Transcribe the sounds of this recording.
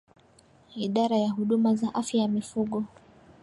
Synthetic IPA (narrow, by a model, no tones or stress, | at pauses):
iɗaɾajaɦuɗumazaʔafjajamifuɠɔ